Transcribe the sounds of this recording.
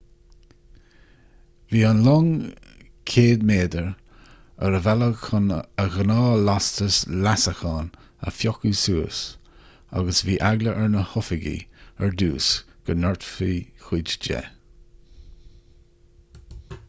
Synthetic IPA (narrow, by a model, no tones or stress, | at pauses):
viːanlɔŋ | kʰeːd̪meːd̪əɹ | ə̰ɾəvɛləkʰənəɣənɑːlast̪əslasəxɑːn | ə̰fjɔkusuːəs | a̰ɡəsviːʔaɡləʔɛɹnəhʊfəɡḭɛɹd̪uːsɡ̥ənɔɹt̪fiːxwid͡ʒd͡ʒɛ̰